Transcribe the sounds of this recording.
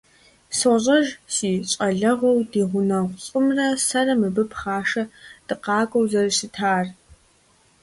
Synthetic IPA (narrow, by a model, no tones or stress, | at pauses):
soʑʼɐʒsiːt͡ʃʼɐɮɐʁɐwdiːʁʷʊnɐɕʷʼʊmrɐsɐrɐmɨbɨpχaːʂɐd̥ɨqɑːɡʷʼɔwzɐrʃɪtʰaːr